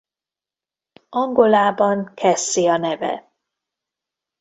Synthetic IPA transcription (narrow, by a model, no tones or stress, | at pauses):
ɒŋɡo̞laːbɒŋkʰɛsːiɒnɛvɛ̰